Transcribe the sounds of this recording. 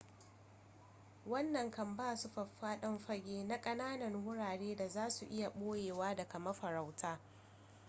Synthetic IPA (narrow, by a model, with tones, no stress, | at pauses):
wɐ˦nːɐ˨ŋkɐ˨mbaː˦˨su˦ɸɐ˨ɸːaː˦ɗɐ˦mɸɐ˦ɡʲʼeː˦na˦kʼɐ˦naː˦nɐ˨rwʊ˦ɽaː˨ɽeː˦da˨zaː˦su˨ʔɪ˦ja˨ɓoː˦jeː˨waː˦da˨kɐ˨mɐ˦ɸɐ˨ɾa˨wtʰaː˦